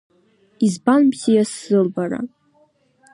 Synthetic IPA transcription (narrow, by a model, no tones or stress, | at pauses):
izbanbzijasːɨlbaɾa̰